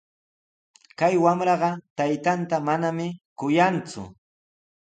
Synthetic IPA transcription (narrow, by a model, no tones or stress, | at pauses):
kajwamɾɑɢɑt̪ajt̪ant̪amanamɪkʊjant͡sʊ̰